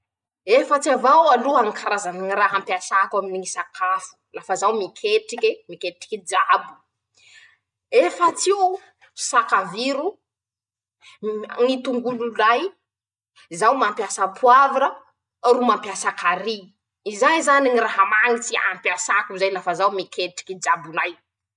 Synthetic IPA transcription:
efət͡siavawaluaŋikaɾazaniŋiraɦampiasakaminiŋisakʰafu̥lafazawmikʰeʈ͡ʂikemikeʈ͡ʂi̥kid͡zabu̥ | efət͡si | sakaviɾu | ŋit̪uŋɡululaj | zawmampjasapʰuavaɾə | rumampjasakaɾi | izanizaniɲiraɦamaŋit͡sia̰mpjasakuzajlafazawmikʰeʈ͡ʂi̥kid͡ʒabunaj

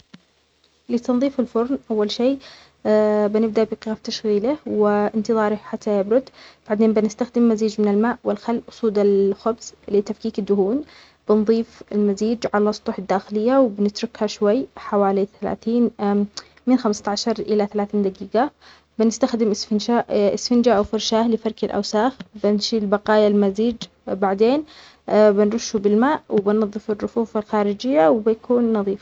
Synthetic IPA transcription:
lit̪ɑnðˤiːfɪlfʊɾˤnʔawːalʃeː | bɪnɪb̚d̪aʔbɪqɪɣaft̪aʃɣiːlɪhwɪʔɪnt̪ɨðˤɑːɾˤɪħat̪ʰːajɪbɾʊd̪b̥aʕd̪eːnbɪnɪst̪axd̪ɪmːaziːd͡ʒmɪnɪlmaːʔwɪlxalːʔʊsˤuːd̪ɪlxʊbz̥lɪt̪afkiːkɪd̪ːʊhuːn | b̥ɪnðˤiːfɪlmaziːd͡ʒʕalasˤt̪ˤuːħɪd̪ːaːxɪlɪjːawɪbɪnɪt̪ɾʊkhaʃwajːħawaːliθala̰ːθiːn | mɪnxamst̪ʕaʃɑɾˤʔɪlaθalaːθiːnd̪aɡiːɡa | bɪnɪst̪axd̪ɪmʔɪsfɪnʃaʔɪsfɪnd͡ʒaʔawfʊɾˤʃaːhlɪfɑɾˤkɪlʔa̰wsaːxbɪnʃiːlbaqɑːjalmaziːd͡ʒ | baʕd̪eːn | bɪnɾˤʊʃːubɪlmaːʔwɪbɪnːɑðˤːɨfɪrˤːʊfuːfɪlxaːɾɪd͡ʒɪjːawbɪjakʰuːnːɑðˤiːf

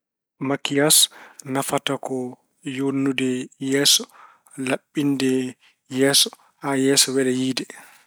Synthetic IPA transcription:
makijasnafatakɔ | jonːudɛjɛːsɔ̥ | laɓːindɛ | jɛːsɔ̥ | hajɛːsɔwɛlɛjiːdɛ

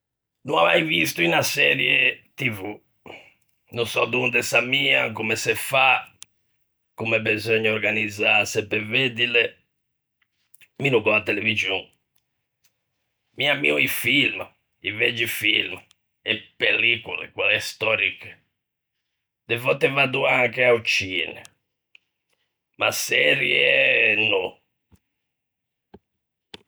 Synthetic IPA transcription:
nua̰va̰jvist̪uinasɛɾjɛt̪ivu | nusɔd̪und̪ɛsamiːakumɛsɛfa | kumɛbɛzɔɲːɔɔɾɡanid̪zasɛpːɛved̪ilɛ | minukɔat̪ːɛlevid͡ʒjɔ | miamːḭuifilm | ivɛd͡ʒːifilm | ɛpːelːikulḛkwalɛst̪ɔɾik | d̪ɛvɔt̪ːɛvad̪uaŋkeaut͡ʃinḛ | masːɛɾjɛnːɔ

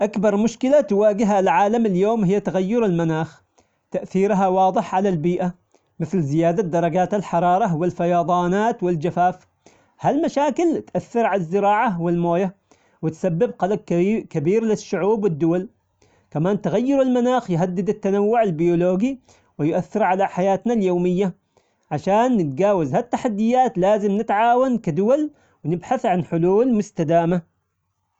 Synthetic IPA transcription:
ʔakbɑɾˤmʊʃkɪlat̪waːɡɪɦalʕaːlamɪljoːmhɪjːt̪aɣajːʊɾɪlmanaːx | t̪aʔθiːɾɦawɑːd̪ˤɨħʕalalbiːʔa | mɪθlzɪjaːd̪ad̪ɑɾˤɑɡaːt̪alħɑɾˤɑːɾˤɑwɪlfajɑːðˤɑːnaːt̪wɪld͡ʒafaːf | halmaʃaːkɪlt̪ʔaθːɪɾʕalazːɪɾɑːʕawɪlmoːja | wɪt̪sabːɪbqɑlɑq̚kabiːɾlɪʃːʊʕuːbwɪd̪ːʊwal | kamaːnt̪ɪɣajːɪɾɪlmanaːxjɦad̪ːɪd̪at̪ːanawːʊʕalbɪjoloːɡi | wɪjʔaθːɪɾʕalaħajaːt̪naljoːmɪjːa | ʕaʃaːnːɪt̪ɡaːwazhat̪ːaħad̪ːɪjːaːt̪laːzɪmnɪt̪ʕaːwankad̪ʊwal | wɪnɪbħaθʕanħʊluːlmʊst̪ad̪aːma

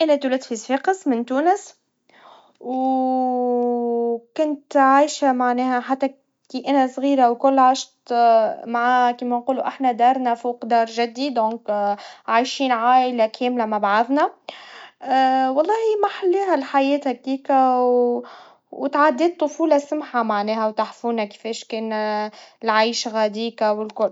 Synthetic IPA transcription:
ʔænæt̪ulɪt̪fisfiːqəsmɪnt̪uːnəs | w | kʊnt̪ʕaːjʃamaʕnɛːhæħat̪ːæ | kiːʔænæsˤɣiːɾawkʊlːʕaːʃt̪maʕaːkiːmænquːluʔaħnæd̪ɑːɾˤnæfuːqd̪ɑːɾˤʒɪd̪ːid̪õːŋkʕajʃiːnʕaːʔlakʰɛːmlamabʕaðna | wɑlˤːɑːhimaħalːeːɦælħajɛːt̪hækiːkaw | wt̪ʕad̪ːeːt̪ˤːʊfuːlɑsʊmħamaʕnɛːhæwt̪aħfuːnaki̥fɛːʃkeːn | lʕajʃɣæd̪iːkawɪlkʊl

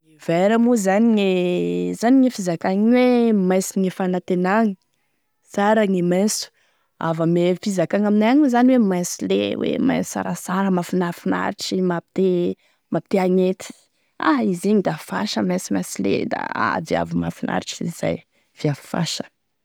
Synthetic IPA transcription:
iveɾamuzaniŋezaniŋefizakaŋiwemajsiŋefanat̪enaŋi | saɾaŋemasu̥ | a̰vamefizakaŋaminajaŋuzaniwemajsilḛwḛma̰jsa̰ɾasaɾəmafinafina̰ɾiʈ͡ʂimapi̥t̪e | mapi̥t̪eaŋet̪i̥ | aizeɲid̪afa̰ʃəmajsimasilḛd̪a̰a̰d̪ea̰vima̰finʔa̰ɾiʈ͡ʂiz̥a̰j | v̥iafi̥fa̰ʃə̥

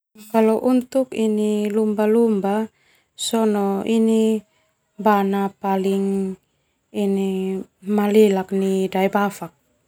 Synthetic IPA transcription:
kalɔʔunt̪ukinilumbalumba | sɔnɔʔini | banapaliŋ | inimalilaknidaibafak̚

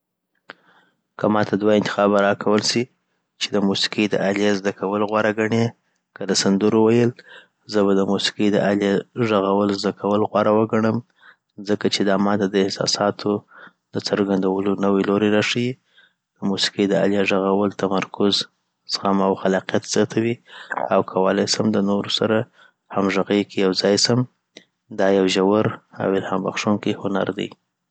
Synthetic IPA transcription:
kəmɑt̪ʰad̪waɪnt̪ɪ̥xɑbaɾɑkʰawəlsi | t͡ʃed̪əmusi̥qəjd̪ə̰ʔaljazd̪akʰawəloɣwaɾaɡaɳe | kəd̪əsand̪uɾowajəl | zəβad̪əmusi̥qəjd̪əʔaljaʒaɣawəlzd̪akʰawəlɣwɑɾawəɡaɳəm | zəkat͡ʃed̪ɑmɑt̪ad̪əɪhsɑ̰sɑt̪ʰo | d̪ət͡səɾɡand̪awəlonəweloɾeɾaʂəji | d̪̥əmusi̥qijd̪əa̰ljaʒaɣawəlt̪amaɾkʊz | sɣamawxalɑqjat̪z̥jɑt̪ʰawiawkʰawalajsamd̪ənoɾosaɾa | hamʒəɣəjkʰejawzɑjsam | d̪ɑjawʒawəɾa̰wɪlhɑmba̰xʂuŋkihʊna̰ɾd̪a̰j

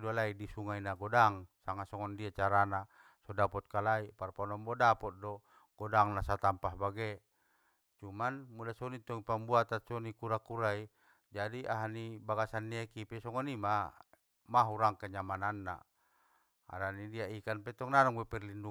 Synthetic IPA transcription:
dualaidisuŋainaɡɔdaŋsaŋasɔŋɔndiat͡ʃaɾana | sɔdapɔt̪̚kalaiparpɔnɔmbɔdapɔt̪̚dɔ | ɡ̥ɔdaŋnasat̪ampaɦbaɡe | t͡ʃumanmudasɔnit̪ɔŋipambuat̪asɔnikuɾakuɾai | d͡ʒadiʔaɦanibaɡasanːiekipɛsɔŋɔnima | maɦuɾaŋkaɲamananːa̰ | a̰ɾanidiaikanpɛt̪ɔŋnanɔŋwɛpɛrlindu

